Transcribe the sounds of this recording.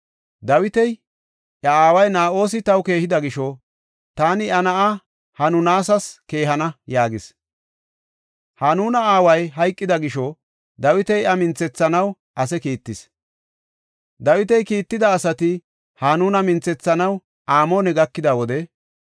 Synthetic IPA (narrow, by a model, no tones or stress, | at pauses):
d̪ɐwɪt̪ɛj | ʔjɐaːwɐjnaːʔo̞ːs̬ɪt̪ɐwke̞ːhɪd̪ɐɡɪʃɔ | t̪aːnɪʔɐnɐʔɐ | hɐnʊnaːsɐske̞ːɦɐnɐjaːɡɪs | hɐnuːnɐaːwɐjɦɐjkʼːɪd̪ɐɡɪʃɔ | d̪ɐwɪt̪ɛjɐmɪnt͡sːɛt͡sːɐnɐw | ʔɐsɛkiːt̪ːɪs | d̪ɐwɪt̪ɛjkiːt̪ːɪd̪ɐːsɐt̪ɪ | hanuːnɐmɪnt͡sːɛt͡sːɐnɐw | ʔaːmoːnɛɡɐkːɪd̪ɐwɔd̪ɛ